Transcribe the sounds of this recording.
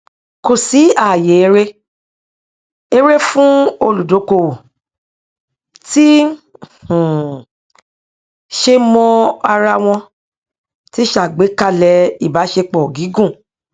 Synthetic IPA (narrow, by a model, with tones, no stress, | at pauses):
ko˨si˨˦a˨je˨e˧˦ɾe˦ | e˧ɾe˦fũ˦o˧lu˨do˨˦ko˧˨wo˨ | tĩ˦˨ | ʃe˧mɔ̃˧a˧ɾa˧w̃ɔ̃˧ | ti˦ʃa˨ɡ͡be˨˦ka˦˨lɛ˧˦i˦˨ba˨˦ʃe˧k͡pɔ˨ɡi˨˦ɡũ˦˨